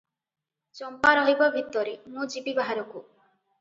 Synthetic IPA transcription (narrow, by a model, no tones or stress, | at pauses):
t͡ʃɔmpaɾɔɦibɔbʱit̪ːɔɾinud͡ʒibibaɦaɾɔku